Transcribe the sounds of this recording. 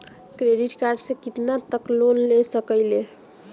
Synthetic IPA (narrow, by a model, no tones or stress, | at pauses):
kɾeɖiʈkaɾɖsekit̪nat̪əklonlesəkəɪle